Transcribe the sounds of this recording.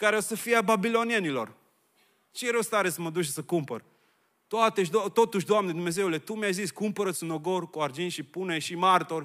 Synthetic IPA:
kaɾeosəfiababilo̞nienilo̞̰r | t͡ʃejeɾəst̪aɾesəməd̪uʃ̬səkumpər | t̪oat̪eʃ̬d̪t̪ot̪uʃd̪oamned̪umeze̞ulet̪umjajziskumpəɾət̪sɨnoɡorkuard͡ʒinʃipuneʃimart̪or

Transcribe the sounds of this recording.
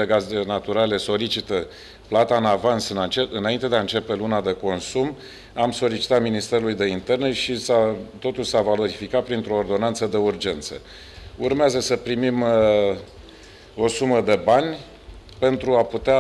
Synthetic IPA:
eɡaznat̪uɾale̞so̞lit͡ʃit̪ə | plat̪aɨnavansɨnat͡ʃeɨnaint̪e̞d̪eaɨnt͡ʃe̞pe̞lunad̪e̞ko̞nsum | amso̞lit͡ʃi̥t̪at̪minist̪e̞ɾulujd̪e̞int̪e̞rne̞ʃisat̪o̞t̪ulsavalo̞ɾifikat̪̚pɾint̪ɾo̞ːrd̪o̞nant̪səd̪e̞urd͡ʒe̞nt̪sə̰ | urmeazəsəpɾimim | o̞suməd̪e̞banʲ | pe̞nt̪ɾuaput̪ea

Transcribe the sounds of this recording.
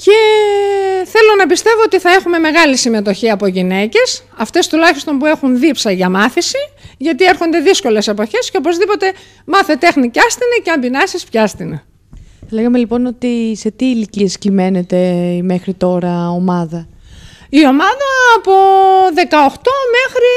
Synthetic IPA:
ce̞ | θe̞lo̞nɐpist̪e̞vo̞ot̪iθɐe̞xume̞me̞ɣɐlisime̞t̪o̞çiɐpo̞ʝine̞ce̞s | ɐft̪e̞st̪ulɐçist̪o̞mpue̞xunðipsɐʝɐmɐθisiʝɐt̪ie̞ɾxo̞nd̪e̞ðisko̞le̞se̞po̞çe̞sceo̞po̞zðipo̞t̪e̞ | mɐθet̪e̞xnicɐst̪inɐceɐmbinɐsispçɐst̪inɐ | leɣɐme̞lipo̞no̞t̪ise̞t̪iːlicie̞scime̞ne̞t̪e̞me̞xɾit̪o̞ɾɐo̞mɐðɐ | io̞mɐðɐːpo̞ðe̞kɐo̞xt̪o̞me̞xɾi

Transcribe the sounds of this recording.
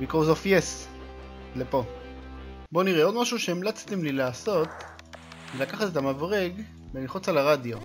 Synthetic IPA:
vikozofjes | lepo̞ | bo̞niʁeo̞d̪maʃuʃeemlot͡stimlilaːso̞t̪ | velakaχat̪et̪amavʁeɡ | bemiχut͡salaʁadjo̞

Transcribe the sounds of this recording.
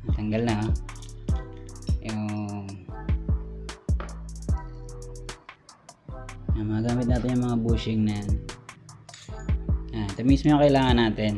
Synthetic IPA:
t̪ɐŋɡɐlnɐ | ʔo | ɐmɐaɡaːmɪt̪naːt̪ɪnjʊŋmɐŋabuːsɪŋnan | at̪ɐmismojʊŋkɐʔɪlaːŋɐnːaːt̪ɪn

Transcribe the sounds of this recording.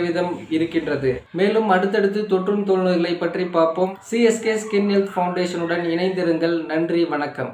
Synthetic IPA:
ʋɪðɐmɪɾɯkːɪndrɐðɯmeːlɯmɐɽɯt̪̬ːɛɽɯt̪̬ːɯt̪ɔʈrɯnt̪oːlnɯɪlːɐɪpːɐʈripːaːɾpoːmsiɛskeskɪnːɛlt̪fɐʊɳɖeːʂɐnɯɽɐnɪnɐɪnd̪ɪɾɯŋɡɐɭnɐndriʋɐɳɐkːɐ̰m

